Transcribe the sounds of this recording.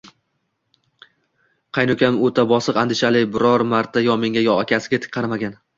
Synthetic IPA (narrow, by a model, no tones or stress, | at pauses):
qʰɑjnʊkʲʰamot̪ʰabɒsɨqand̪ɪʃalɪbɪɾɒɾmaɾt̪ʰajɒmeŋɡʲajɒakʲʰasɪɡʲat̪ʰɪ̥k̚ʲqʰːɑɾmaɡʲan